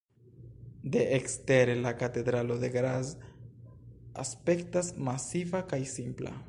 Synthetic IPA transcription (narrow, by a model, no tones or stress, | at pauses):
d̪e̞ʔekste̞ɾe̞lakate̞d̪ɾalo̞d̪e̞ɡɾaz | a̰spe̞ktasmasivakajsimpla̰